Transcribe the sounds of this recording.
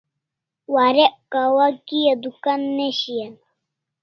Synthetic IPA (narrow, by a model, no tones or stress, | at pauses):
waɾekawakijad̪ukanːeɕijan